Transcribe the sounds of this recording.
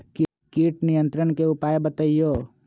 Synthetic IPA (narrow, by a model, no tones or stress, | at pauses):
k | kiːʈnijə̃nt̪ɾəɳ̃keʊpaːjebət̪əijoː